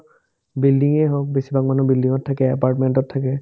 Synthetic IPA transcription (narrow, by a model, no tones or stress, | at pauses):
bildiŋɛɦok̚besibakmanubildiŋɔtʰːakɛɛpaɹtmɛntɔtʰːakɛ